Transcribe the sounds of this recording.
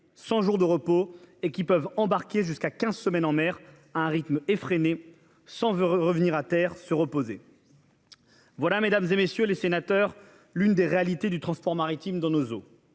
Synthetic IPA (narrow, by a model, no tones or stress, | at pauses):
sɑ̃ʒuʁd̪əʁəpoekʲipœvɑ̃baʁkʲeʒyskakʲɛ̃zsəmɛnɑ̃mɛʁ | aɛ̃ʁit̪mefχene | sɑ̃vʁəvniʁat̪ɛʁsəʁəpoze | vwalamed̪amzemesjølesenat̪œʁ | lynd̪eʁealit̪ed̪yt̪χɑ̃spɔʁmaʁit̪imd̪ɑ̃nozo